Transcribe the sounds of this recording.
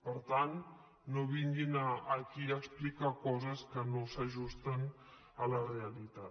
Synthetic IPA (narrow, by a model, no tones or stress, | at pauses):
pəɾt̪anː | oβiŋɡinəːkiəksplikakɔzəskənosəʒust̪ən | ələreəlit̪at̪